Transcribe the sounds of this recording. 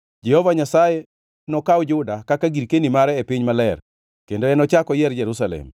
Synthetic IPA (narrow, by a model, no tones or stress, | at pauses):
d͡ʒɛhɔvaɲasaje | nɔkawd͡ʒʊdakakaɡiɾkenimaɾɛːpɪɲmalɛr | kendoɛnɔt͡ʃakɔjɛɾd͡ʒɛɾusalɛ̰m